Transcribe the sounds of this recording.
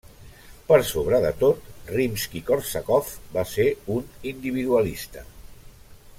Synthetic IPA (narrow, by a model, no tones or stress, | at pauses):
pəɾsoβ̞ɾəðət̪ot̪rimskikoɾsakɔfbaseunind̪iβ̞iðuəlist̪ə